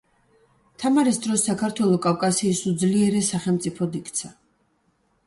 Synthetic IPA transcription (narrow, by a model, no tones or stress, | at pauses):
t̪ʰamaɾisd̪ɾɔsːakʰaɾt̪ʰwɛlˠɔkʼafkʼasiːsud̪zliɛɾɛsaχɛlˠmt̪sʼipʰɔd̪ikʰt̪sʰa